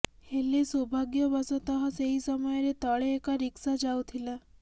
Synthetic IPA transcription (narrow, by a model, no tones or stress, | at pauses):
helesɔbʱaɡjɔbɔsɔt̪ɔɦɔseɦisɔmɔjɔɾet̪ɔɭeːkaɾiksad͡ʒawt̪ʰila